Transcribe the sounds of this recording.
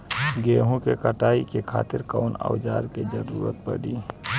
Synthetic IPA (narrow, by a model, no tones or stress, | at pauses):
ɡeːɦõkekəʈaːikekʰa̰ːt̪ɪɾkaːna̰ʊd͡ʒaːɾked͡ʒəɾuːɾət̪̚pəɽiː